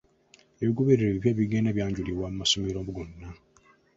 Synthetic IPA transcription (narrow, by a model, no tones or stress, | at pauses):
eβiɡoβeɾeɾeβiβjaβiɡenaβjaːɲɟuliβwamasomiɾobuɡonːa